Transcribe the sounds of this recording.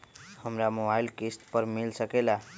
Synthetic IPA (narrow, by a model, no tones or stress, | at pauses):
həmɾamobailkisʈpəɾmilsəkɛla